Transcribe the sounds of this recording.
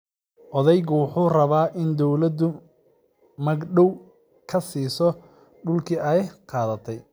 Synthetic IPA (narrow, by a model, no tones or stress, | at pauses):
ʔɔðɛjɣʊwʊħuːrɐβaːʔɪnd̪ɔwlɐd̪ʊ | mɐɡɖɔw | kʰɐsiːsɔ | ɖʊlkʰiːɐjqɑːðɐt̪ʰɛj